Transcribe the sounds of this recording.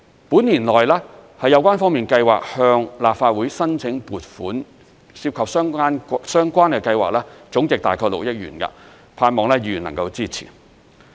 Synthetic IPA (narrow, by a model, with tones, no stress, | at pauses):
puː˨˥nliː˨˩nlɔː˨˩jlɛː˥hɐ˨jːɐ˨˧wkʷaː˥nfɔː˥ŋmiː˨˩nkɐ˧jwa̰ː˨k̚hœː˧ŋlaː˨p̚faː˧t̚wuː˨˥jsɐ˥nt͡sʰɪ˨˥ŋpuː˨t̚fuː˨˥n | siː˧p̚kʰɐ˨p̚sœː˥ŋaː˥nsœː˥ŋkʷaː˥nkɛː˧kɐ˧jwa̰ː˨k̚lɛː˥t͡sʊ˨˥ŋt͡sɪ˨k̚t̪aː˨jkʰɔː˧k̚lo̰˨k̚jɪ˥k̚jy̰ː˨˩nkɐ̰˧ | pʰaː˧nmɔː˨ŋlɛː˥jiː˨˩jy˨˩nlɐ̰˨˩ŋkɐ˧wt͡siː˥t͡sʰḭː˨˩